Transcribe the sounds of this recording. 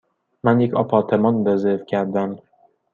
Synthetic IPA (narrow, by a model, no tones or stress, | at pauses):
mænjecʰɒpʰɒːt̪ʰemɒndɒzevcʲʰæɾd̪æm